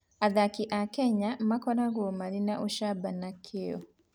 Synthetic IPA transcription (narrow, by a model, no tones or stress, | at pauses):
aðakiʔakɛɲamakɔɾaɡomaɾinaʔuʃabanakʰeɔ̰